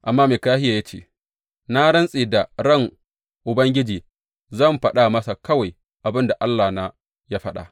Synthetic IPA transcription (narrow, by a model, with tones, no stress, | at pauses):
ʔa˨mːaː˦meː˨kaː˦hɪ˦ja˨ja˦t͡ʃḛː˦ | na˦ɽɐ˦nsʼiː˨da˨ɽɐ˦˨ŋ | ʔʊ˨bɐ˦ŋɡʲɪ˦d͡ʒiː˨ | zɐ˦˨mɸɐ˦ɗa˦mɐ˦sa˨kɐ˦wa˨j | ʔa˨bɪ˦nda˨ʔa˦lːaː˨na˨ | ja˦ɸɐ˦ɗa̰˨